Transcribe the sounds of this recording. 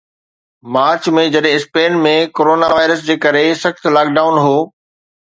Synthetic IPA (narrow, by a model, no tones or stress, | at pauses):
maːɾt͡ɕmẽd͡ʑɐɗɦɪ̃ɪspeːnmẽkoːɾoːnaʋaːɪɾəsd͡ʑeːkɐɾesɐxt̪laːk̚ɖaːʊnɦoː